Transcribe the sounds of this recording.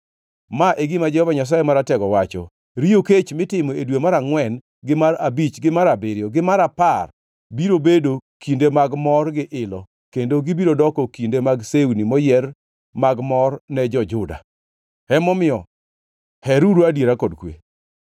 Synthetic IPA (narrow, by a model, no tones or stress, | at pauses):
maʔeɡimad͡ʒɛhɔvaɲas̬ajemaɾatɛɡɔwat͡ʃɔ̰ | ɾioket͡ʃmɪtɪmɔedwemaɾaŋwɛn | ɡɪmaɾabit͡ʃɡɪmaɾabɪɾjɔɡɪmaɾapar | biɾobedokindemaɡmɔrɡɪʔɪlɔ | kendoɡɪbiɾodɔkɔkindemaɡsewnimɔjɛr | maɡmɔrnɛd͡ʒɔd͡ʒʊda̰ | hɛmɔmɪɔ | hɛɾuɾuadjeɾakɔdkwḛ